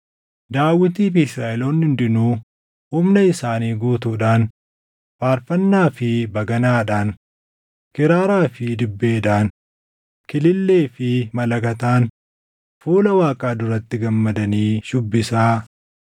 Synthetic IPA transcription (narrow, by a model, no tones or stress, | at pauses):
d̪aːwːɪt̪iːfɪsɾaːʔɛloːnːɪnd̪ɪnuː | humnɐɪsaːniːɡuːt̪uːᶑaːn | faːɾfɐnːaːfɪbɐɡɐnaːᶑaːn | kɪɾaːɾaːfɪd̪ɪbːe̞ːd̪aːn | kɪlɪlːe̞ːfɪmɐlɐkɐt̪aːn | fuːlɐwaːkʼaːd̪ʊɾɐt̪ːɪɡɐmːɐd̪ɐniːʃʊbːɪsaː